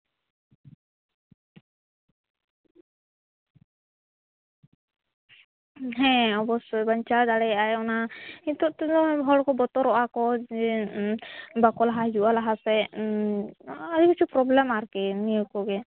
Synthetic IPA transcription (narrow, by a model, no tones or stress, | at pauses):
ɦɛ̃ɔbɔsɔbaɲt͡ʃad̪aɽɛajɔnait̪ɔʔt̪ɔɔbʱɔɽkɔbɔt̪ɔɾɔʔakɔɛ | bakɔlaɦad͡ʒuʔalaɦasɛ | aɾikit͡ʃʰipɾɔblɛmaɾkɛnijɔkɔɡɛ